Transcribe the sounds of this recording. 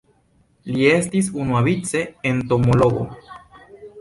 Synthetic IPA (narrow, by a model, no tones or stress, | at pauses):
lie̞stis̬unuavit͡se̞ento̞mo̞lo̞ɡo̞̰